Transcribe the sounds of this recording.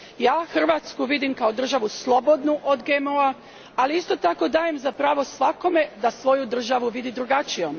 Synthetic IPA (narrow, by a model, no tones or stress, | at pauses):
jaːxr̩ʋaːt̪skuʋid̪imkao̞d̪r̩ʒaʋuslˠo̞bo̞d̪nuʔod̪ɡemoa | aliist̪o̞t̪ako̞d̪aːjemzapɾaːʋo̞sʋako̞me̞d̪asʋo̞jud̪r̩ʒaʋuʋid̪id̪ɾuɡat͡ʃijom